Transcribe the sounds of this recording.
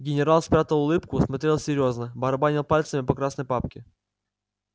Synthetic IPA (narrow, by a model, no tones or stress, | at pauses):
ɡʲɪnʲɪɾalˠspɾʲat̪əlˠʊlˠɨpkʊsmɐt̪ɾʲe̞lˠsʲɪɾʲjo̞znəbɐɾɐbanʲɪlˠpalʲt̪səmʲɪpɐkɾasnəjpap̚kʲɪ